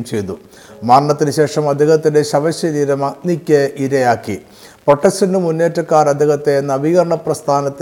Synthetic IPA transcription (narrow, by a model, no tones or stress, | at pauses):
mt͡ɕejt̪u | maːɳɳɐt̪ːinɨɕe̞ːʂɐmɐd̪ʱiɣɐt̪ːindeɕɐʋɐɕjɐniɾɐmɐnikʲːeʔiɾɐjaːkːi | poʈːɐsʈɐndɨmunːe̞ːtːɐkːaːɾɐd̪ʱiɣɐt̪ːe̞nːɐbiɣɐɾɐɳɐprɐst̪ʰaːnɐt̪ː